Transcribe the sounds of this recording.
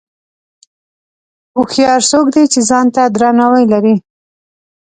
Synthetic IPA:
ʊxjɑɾsokd̪et͡ʃezɑnt̪ad̪ɾɑnawajlaɾi

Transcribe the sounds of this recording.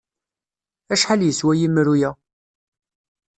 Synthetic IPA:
æʃħaljəswæjimɾujæ

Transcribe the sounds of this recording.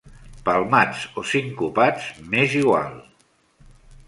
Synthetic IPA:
palˠmat͡sosiŋkupad͡zmeziɣwa̰lˠ

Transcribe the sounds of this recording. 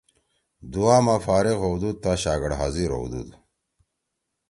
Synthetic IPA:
d̪uaːmafaːɾiɣowd̪ud̪̚t̪aɕaːɡɐɽɦaziɾo̰wd̪ṵd̪

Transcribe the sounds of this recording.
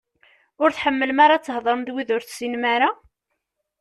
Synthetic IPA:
ʊɾθħəmːəlmaɾˤɑt͡sːəhðˤəɾˤəmðwiðʊɾθsinmaɾa

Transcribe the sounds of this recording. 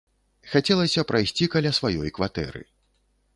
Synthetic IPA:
xat͡sʲɛlˠɐsʲɐpɾʔajsʲt͡sʲikɐlʲasvajɔ̰jkvat̪ɛ̰ɾɨ̰

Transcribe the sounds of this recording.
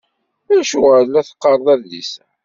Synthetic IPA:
æʃuʕəðlæθə̥qːɑɾˤðˤæɾðḭs

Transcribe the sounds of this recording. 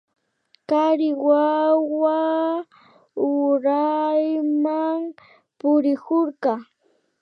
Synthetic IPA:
kaɾɪwawa | ʊɾajmaŋ | pʊɾɪkoɾɢɑ

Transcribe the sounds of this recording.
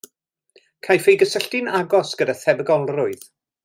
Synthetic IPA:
kʰajfejɡəsəɬtɪnaɡɔsɡ̥ədaθɛbəɡɔlˠrʊɨð

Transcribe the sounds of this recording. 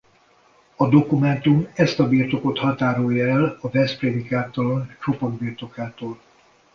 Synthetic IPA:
ɒd̪o̞kumɛnt̪umɛst̪ɒbiːrt̪o̞ko̞t̪hɒt̪aːɾojɔɛlɒvɛspreːd̪ikaːt̪olont͡ʃo̞pord̪̚biːrt̪o̞kaːt̪oːl

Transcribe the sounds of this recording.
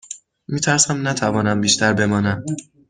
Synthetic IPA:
miːt̪ʰæɾsæmnæt̪ʰævɒːnæmbiːʃt̪ʰæɾbe̞mɒːnæm

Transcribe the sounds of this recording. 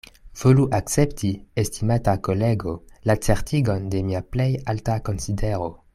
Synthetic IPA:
v̥oluʔakt͡septiestimatakoleɡolat͡seʁtʰiɡonde̞miaplejaltakonsideɾo

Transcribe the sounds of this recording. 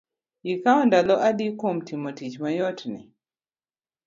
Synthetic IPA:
ikaɔndalɔʔadikomtimotit͡ʃmajɔtnḭ

